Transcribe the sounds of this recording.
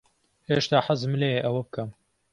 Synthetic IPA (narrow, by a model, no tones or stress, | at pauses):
heːʃt̪aːħazmleːjeʔɐwɐbɨkʰɐm